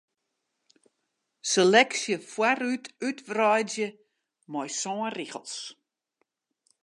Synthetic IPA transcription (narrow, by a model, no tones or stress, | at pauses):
selɛksjəfwarytytʋrɔjzjə | mɔjsɔːriɣə̰lˠs